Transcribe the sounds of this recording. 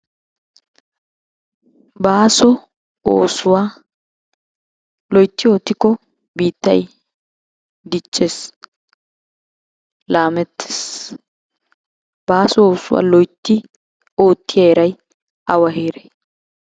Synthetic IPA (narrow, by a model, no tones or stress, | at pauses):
baːsɔ | oːsʊwaː | lɔjt̪ːɪo̞ːt̪ːɪkːɔ | biːt̪ːɐ̰j | d̪ɪt͡ʃʼːeːs | laːmɛt̪ʰːe̥ːs | baːsɔoːsʊwa̰ːlɔjt̪ːɪ | oːt̪ːɪjɐɛɾɐj | ɐwɐɦeːɾe